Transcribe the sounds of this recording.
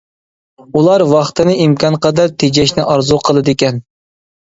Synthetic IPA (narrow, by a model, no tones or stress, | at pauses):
ulˠɑɾwɑχt̪ʰɨnɨimkʰɑnqʰɑd̪ɑɾt̪ʰed͡ʒɛʃnɪʔɑɾzuqʰəlˠɨd̪ɪkʲɛn